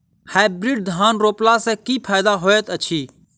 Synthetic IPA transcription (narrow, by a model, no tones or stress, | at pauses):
haːbɾɪɖ̚d̪ʱaːnɾoːplasɛkiːpʰaːd̪aɦoːet̪ət͡ʃʰiː